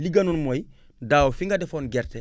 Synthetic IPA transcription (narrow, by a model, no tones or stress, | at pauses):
liɡanonmoj | daːofiŋɡadefonɡeɾte